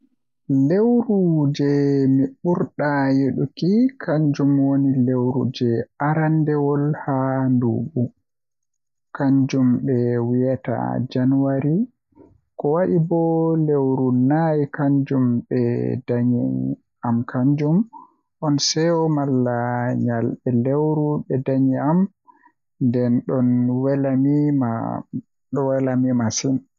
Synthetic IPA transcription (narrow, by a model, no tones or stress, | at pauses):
lewɾud͡ʒɛmiɓuɾɗajeɗukikʰaɲd͡ʒumwonilewɾṵd͡ʒɛaɾandɛwɔlhandṵːɓu | kaɲd͡ʒumɓɛwijata̰d͡ʒanuwaɾi | kɔwaɗibɔlewɾunajikaɲd͡ʒumɓɛ̰daɲi | amkʰaɲd͡ʒum | ʔɔnsɛwɔmalːaɲalɓɛlewɾuɓɛdaɲiam | ndɛnɗɔnwɛlamima | ɗɔwɛlamimasin